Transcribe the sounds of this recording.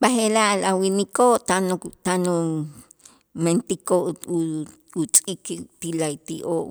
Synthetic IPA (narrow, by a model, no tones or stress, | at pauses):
ɓahelaʔlawinikoʔt̪anot̪anu | ment̪ikoʔ | ut͡sʼikt̪ilajt̪iʔoʔ